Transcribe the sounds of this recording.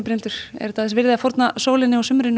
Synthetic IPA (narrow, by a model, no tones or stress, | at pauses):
pɾɪnt̪ʏɾ̥ɛ̰ɾ̥t̪ʰaθɛsvɪɾðɪafowɾt̪nasoːwlɪnːɪɔsʏmɾɪnː